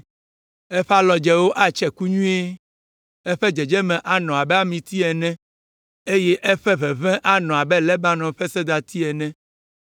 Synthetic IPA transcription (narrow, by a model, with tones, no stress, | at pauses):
ɛ˦ɸa˦lɔ˨d͡ʒɛ˦wo˦ʔa˨t͡ʃɛ˨ku˦ɲũ˦e˦ | ɛ˦ɸɛ˦d͡ʒɛ˨d͡ʒɛ˦mɛ̃˨ʔa˨nɔ̃˨a˨bɛ˦a˦mĩ˨t̪i˦ɛ˨nɛ̃˦ | e˦jɛ˦ʔɛ˦ɸɛ˦βɛ˨βɛ̃˦ʔa˦nɔ̃˨a˨bɛ˦lɛ˦ba˦nɔ̃˨ɸɛ˦sɛ˦d̪a˨t̪i˦ɛ˨nɛ̃˦